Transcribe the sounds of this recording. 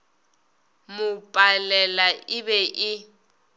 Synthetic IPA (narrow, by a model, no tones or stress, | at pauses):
mʊpʼalɛlaʔɪbɛʔɪ